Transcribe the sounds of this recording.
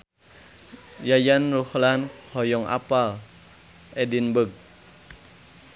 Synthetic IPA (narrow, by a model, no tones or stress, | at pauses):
jajanruhlanhɔjɔŋa̰pal | ʔɛdinbək̚